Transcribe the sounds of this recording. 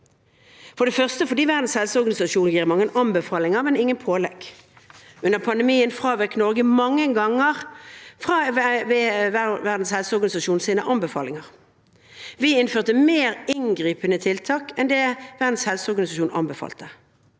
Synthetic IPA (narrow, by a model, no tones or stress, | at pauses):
fɔɾd̪ɛfœʁst̪əfɔdiːʋæʁd̪n̩shɛlsəɔʁɡɑnɪsɑʃuːnjiːʁəmɑŋːənʔɑmbəfɑːlɪŋəʁmɛnɪŋːənpʰoːlɛɡ̥ | ʔʉnəʁpʰɑnd̪ɛmiːənfʁɑːʋɛknɔʁɡəmɑŋːəŋɡɑŋːəʁfʁɑːʋeʋæʁd̪n̩shɛlsəɔʁɡɑnɪsɑʃuːnsiːnəʔɑnbəfɑ̰ːlɪŋɑʁ | ʋɪɪnføːʁt̪əmeːʁɪnɡʁiːpənət̪ʰɪlt̪ʰɑːkɛnd̪eːʋæʁd̪n̩shɛlsəɔʁɡɑnɪsɑʃuːnɑ̰mbəfɑ̰ːlt̪ə